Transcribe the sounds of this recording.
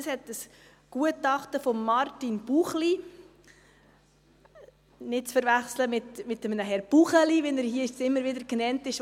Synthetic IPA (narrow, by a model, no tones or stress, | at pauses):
əshɛt̚əs | ɡ̥uətɑχtəfɔmːɑrtinb̥uχli | nɪt̚t͡sfəɾvæχsləmɪtmɪtːəmnəɦɛɾb̥uχəlivɛnæɾhiəɪʃsɪmːəɾʋɪdəɾknɛntɪʃ